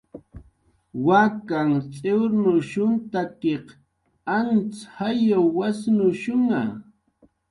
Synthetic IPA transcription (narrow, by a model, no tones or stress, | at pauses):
wakaŋt͡sʼewɾnʊʃʊnt̪akeq | ant͡shajawːasnʊʃʊŋa